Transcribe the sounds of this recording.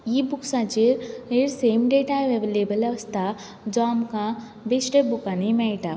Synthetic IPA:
jibʊksad͡ʒiɾeɾseːmɖeːʈaeʋeʋeleːbəlɐʋəst̪ʰa | d͡ʒɔːmka | besʈebukanimẽʈa

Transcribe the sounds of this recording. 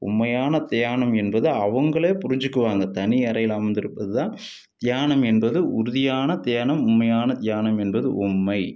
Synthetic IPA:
ʊ̰mːɐjaːnɐt̪ɐjaːɳɐmɛnbɐðɯɐʋɐŋɡɐɭeːpʊɾɪɲd͡ʒɯkːɯʋaːŋɡɐt̪ɐnɪɐɾɐjɪlaːmɐnd̪ɪɾɯpːɐðɯðãːn | d̪̥ɪjaːɳɐmɛnbɐðɯʊɾʊðɪjaːnɐt̪ɪjaːɳɐmʊmːɐjaːnɐd̪jaːnɐmɛnbɐðɯ̰ʔʊmːɐɪ

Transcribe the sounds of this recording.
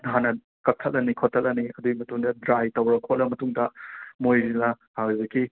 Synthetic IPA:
ɦanɐ | kɐk̚tʰɐlːɐnikʰotʰɐlɐniɐduɡimɐtuŋdɐdɾajtɐwɾɐkʰot̚lɐmɐtuŋdɐmojzinɐ | hawibɐki

